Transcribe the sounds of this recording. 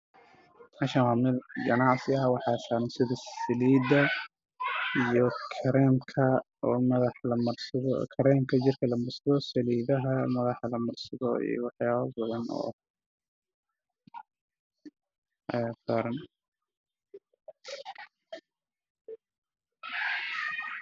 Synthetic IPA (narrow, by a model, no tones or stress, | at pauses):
mɑʃɐwamɪlɡɐnɑʕsɪɐwɑħɑːsaːnsɪðɐɐliːd̪ɐ | ijɔkʰɐɾɛːmkʰɐ | ɔːmɐðɑħlɐmɐrsɐðkʰɐɾɛːmkʰɐd͡ʒɪrkʰɐlɐmɐrsɐðɔsɐliːðɐɦɐmɐðɑħlɐmɐrsɐðɔḭːjɔ̰wɑħjaːβɐbɐðɐnɔ̰ | ʔɐjaːsaːɾɐn